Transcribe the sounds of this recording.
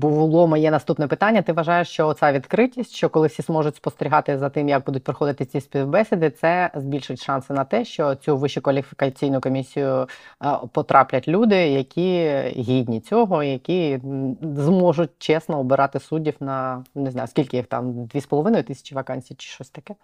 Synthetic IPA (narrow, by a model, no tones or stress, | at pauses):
bʊʋʊlˠɔmɐjɛnɐst̪upnɛpɪt̪ɑnʲːɐt̪ɪʋɐʒɑjeʂt͡ʃɔɔsʲaʋʲid̪kɾɪtʲisʲtʲʃt͡ʃɔkɔlˠɪwsʲizmɔʐʊtʲspɔst̪eɾʲɪɦɑt̪ɪzɐt̪ɪmjɐɡ̚bud̪ʊt̚ʲpɾɔxɔd̪ɪt̪ɪt͡sʲisʲpʲiwbɛsʲɪd̪ɪt̪sɛzbʲilʲʃɪtʲʃɑnsɪnɐt̪ɛʃt͡ʃɔt͡sʲuʋɪʃʊkʋɐlʲifʲɪ̥kɐt͡sʲijnʊjʊkɔmʲisʲijʊ | pɔt̪ɾʔɑplʲɐtʲlʲud̪ɪjɐkʲiɦʲidʲnʲit͡sʲɔɦɔijɐkʲi | zmɔʒʊt̚ʲt͡ʃɛsnɔɔbɪɾɑt̪ɪsudʲiwnɐnɪznɑ̰jʊskʲilʲkɪjixt̪ɑ̰md̪ʋʲispɔlˠɔʋɪnɔjʊt̪ɪsʲɐ̥t͡ʃiʋɐkɑnʲsʲijt͡ʃɪ̥ʃɔsʲt̪ɐkɛ